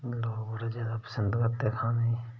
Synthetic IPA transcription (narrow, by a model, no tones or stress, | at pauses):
loːɡoːɾed͡ʒeːd̪apə̥sənd̪kat̪ːeːkʰaːnei